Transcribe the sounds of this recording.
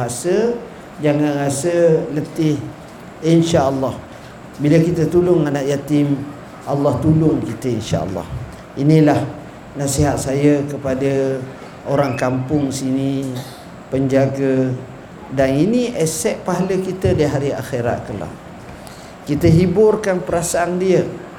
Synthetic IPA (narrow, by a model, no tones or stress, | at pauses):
baɦasə | d͡ʒaŋanɾasələt̪ɪh | inʃaʔəlːɑh | biləkit̪ət̪ulʊŋanaʔjat̪ɪm | ʔalːɑht̪ulʊŋkit̪əinʃa̰ʔə̰lːɑ̰h | inĩlah | nãsiɦat̪̚sajəkəpadə | oɾaŋkampʊŋsinĩ | pəɲd͡ʒaɡaə | daninĩʔɛsɛʔ̚paɦaləkit̪ədiɦaɾia̰xeɾa̰t̪̚kəla̰ | kit̪əɦibʊrkanpəɾasaandiə